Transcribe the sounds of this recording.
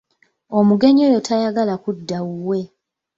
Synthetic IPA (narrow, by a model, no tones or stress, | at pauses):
o̞muɡe̞ɲojo̞tʰajaɡalakudːauwe̞